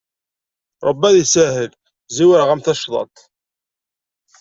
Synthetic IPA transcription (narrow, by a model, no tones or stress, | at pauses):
ɾˤəbːæðisæhəl | ziwəɾʁæmθæʃðˤɑ̰t̪ˤ